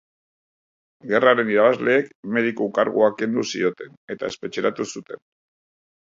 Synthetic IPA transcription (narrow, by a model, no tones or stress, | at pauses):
ɡe̞raɾe̞niɾaβazle̞ːkme̞ð̞ikukaɾɣuake̞nd̪usḭo̞t̪e̞ne̞t̪ae̞spe̞t͡ʃeɾat̪usut̪e̞n